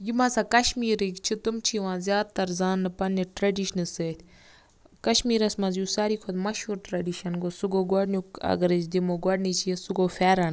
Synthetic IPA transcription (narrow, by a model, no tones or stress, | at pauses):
jimɐsaːkɐʃmiːɾikt͡ʃʰit̪umt͡ʃʰiʋãːzʲjaːd̪̚t̪ɐɾzaːnːɨpɐnːiʈɾɐɖiʃnɨseːt̪ʰʲ | kɐʃmiːɾɐsmɐzjuːsaːɾiːkʰod̪mɐʃɦuːɾʈɾɐɖiʃɐnɡosuɡoːɡɐɽnjukɐ̰ɡɐɾit͡ʃd̪imoɡɔɽnit͡ʃʰijesuɡoːfʰɛːɾɐn